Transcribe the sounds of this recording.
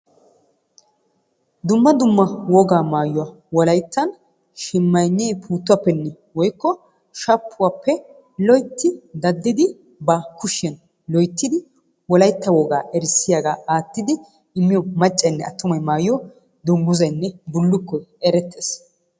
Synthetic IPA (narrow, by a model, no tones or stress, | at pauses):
d̪ʊmːɐd̪ʊmːɐwɔɡaːmaːjʊwa | wɔlɐjt̪ːɐn | ʃɪmːɐjnːiːpʰuːt̪ːʊwɐpːɛnːɛ | wɔjkːɔ | ʃɐpʰːʊwapːɛ | lɔjt̪ːɪd̪ɐd̪ːɪd̪ɪ | bɐkʊʃɛn | lɔjt̪ːɪd̪ɪ | wɔlɐjt̪ːɐwɔɡa̰ːʔɛɾsɪjaɡaːaːt̪ːɪd̪ɪ | ɪmːɪjɔmɐt͡ʃʼːɐnːɛ̰ɐt̪ːʊmɐjmaːjɪjɔ | d̪ʊmɡʊzɐjnːɛbʊlːʊkːɔɛɾɛt̪ʰːeːs